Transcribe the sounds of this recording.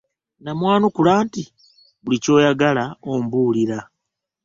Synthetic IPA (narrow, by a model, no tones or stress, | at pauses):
namwaːnokulaːnti | βulico̞ːjaɡalaombuːliɾa